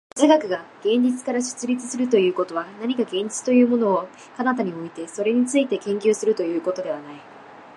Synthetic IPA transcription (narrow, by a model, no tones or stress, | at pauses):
zeɡakɯ̟ɡaɡ̥ẽ̞ɲd͡ʑit͡sɨ̥kaɾaɕɨ̥t͡sɨɾʲit͡sɨsɨɾɯ̟t̪o̞jɯ̟ːko̞t̪o̞βanaɲ̟ikaɡẽ̞ɲ̟d͡ʑi̥t͡sɨ̥t̪o̞jɯ̟ːmo̞no̞ː | kanat̪aɲ̟io̞it̪e̞so̞ɾe̞ɲ̟it͡sɨit̪e̞kẽŋkʲɨːsɨɾɯ̟t̪o̞jɯ̟ːko̞t̪o̞d̪e̞βanai